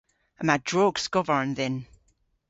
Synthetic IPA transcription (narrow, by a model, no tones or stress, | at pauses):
əmadɹɔɡskɔvəɹə̃nðɛn